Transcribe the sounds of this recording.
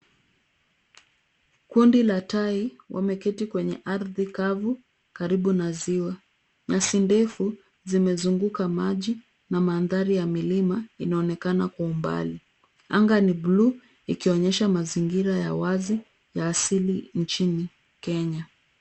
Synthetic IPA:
kundilatai | wʔa̰mɛkɛtikwɛɲɛʔaɾðikavu | kaɾiɓunaziwa | ɲasindɛfu | zimɛzuŋɡukamaʄi | namaːnðaɾijamilimainaɔnɛkanakwaumba̰li | aŋɡaniblu | ikiɔɲɛʃamaziŋɡiɾajawazi | jaːsilint͡ʃini | kɛɲa

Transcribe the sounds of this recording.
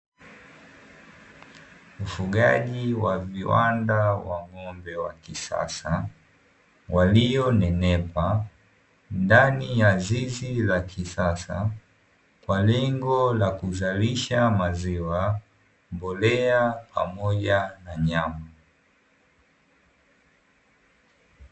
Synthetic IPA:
ufuɠaʄiwaviwa̰ndawaŋɔmbɛwakisa̰sa | walijɔnɛnɛpa | ndanijazizilakʰisasa̰ | kwalɛŋɡɔlakuzaliʃamaziwa | mbɔlɛapʰa̰mɔʄanaɲama

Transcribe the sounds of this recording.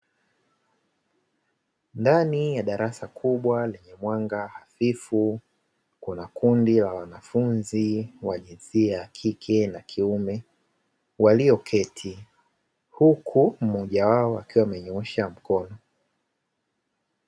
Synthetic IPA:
ndanijaɗaɾʔasakʰuɓwalɛɲɛmwaŋɡahafifu | kunakundilawanafunziwaʄinziaːkʰikʰɛnakʰiumɛ | waliɔkʰɛtʰi | hukʰum̩mɔʄawaɔa̰kiwamɛɲɔɛʃam̩kɔnɔ

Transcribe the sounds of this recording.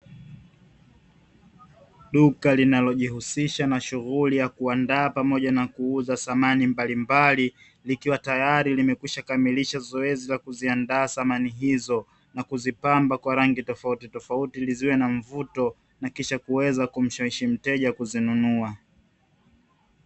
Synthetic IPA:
ɗukalinalɔʄihusiʃanaʃuɣulijakuandaːpamɔʄanakuuzasamanimbalimbali | likiwatajaɾilimɛkwiʃakamiliʃazɔɛzilakuziandaːsamaniɦizɔ | nakuzipambakwaɾaŋɡitɔfautitɔfautiliziwɛnaɱ̩vutɔ | nakiʃakuwɛzakum̩ʃaiʃim̩tɛʄakuzinunua

